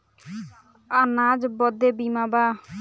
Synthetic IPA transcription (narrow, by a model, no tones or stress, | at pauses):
anad͡ʒbɔd̪ebimaba